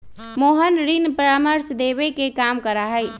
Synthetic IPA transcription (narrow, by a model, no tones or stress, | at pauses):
moɦənɾinpɾaməɾsd̪ebekekamkəɾaɦəj